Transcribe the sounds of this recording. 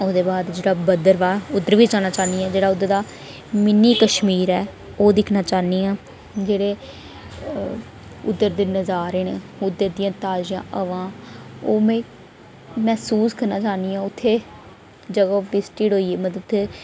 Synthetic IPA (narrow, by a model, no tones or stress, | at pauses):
oːd̪eːbaːd̪d͡ʒeːɽaːbəd̪əɾʋaːʊd̪əɾʋiːt͡ʃaːnaːt͡ʃaːniːɛ̃ːd͡ʒeːɽaːʊd̪ːəɾd̪aː | mɪnːiːkəʃmiːɾɛː | oːd̪ɪkʰnaːt͡ʃaːniːãː | d͡ʒeːɽeː | ʊd̪ːəɾd̪eːnəzaːɾeneːʊd̪əɾd̪ijãːt̪aːd͡ʒɪjãːʔəʋãːoːmẽː | mɛːsuːskəɾnaːt͡ʃaːniːãːʊt̪ʰːeː | d͡ʒəɡaʋɪsʈiːɽɦoːiːeːməd̪ʊt̪ʰːeː